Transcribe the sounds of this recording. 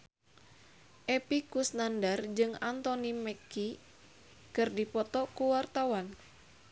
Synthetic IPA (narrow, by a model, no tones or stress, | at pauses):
ʔɛpikusnandard͡ʒɨŋant̪ɔnimɛki | kɨrdipɔt̪ɔkuwart̪awan